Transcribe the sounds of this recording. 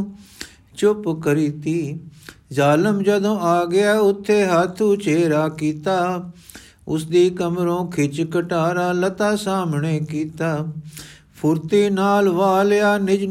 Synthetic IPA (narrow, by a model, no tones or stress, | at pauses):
t͡ʃʊpkəɾiːt̪iːzaːləmd͡ʒəd̪õːaːɡɪaːʊt̪ʰːeːɦaːt̪ʰuːt͡ʃeːɾaːkiːt̪aː | ʊsd̪iːkəmɾõːkʰɪt͡ʃkəʈaːɾaːlət̪aːsaːmɳeːkiːt̪aː | pʰʊɾt̪iːnaːlʋaːljaːnɪd͡ʒ